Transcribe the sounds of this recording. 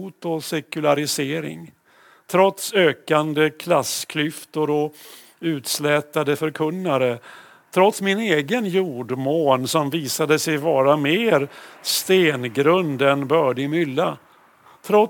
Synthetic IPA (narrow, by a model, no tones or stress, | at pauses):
uːt̪ɔsɛkɵlaɾɪseːɾɪ̰ŋ | t̪ʰɾɔt̪søːkand̪əkʰlaskʰlʏft̪ʊɾɔ | ʉ̟ːt̪slɛːt̪ad̪əfœɾkʰɵnːaɾə | t̪ʰɾɔt̪smɪneːɡənjuːɖmoːnsɔmviːsad̪əsɛjvɑːɾameːɾst̪eːnɡɾɵnd̪ɛnbœːɖɪmʏlːa | t̪ʰɾɔ